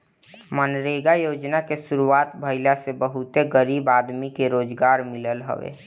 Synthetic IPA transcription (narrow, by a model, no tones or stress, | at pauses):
mənɾeːɡajoːd͡ʒnakesʊɾuaːt̪bʱəɪlasebəɦʊt̪eɡəɾiːbaːd̪mikeɾoːd͡ʒɡaːɾmɪləlɦə̰ʋḛː